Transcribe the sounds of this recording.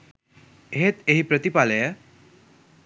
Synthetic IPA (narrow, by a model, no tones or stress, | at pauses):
eɦet̪eɦipɾət̪ipaləjə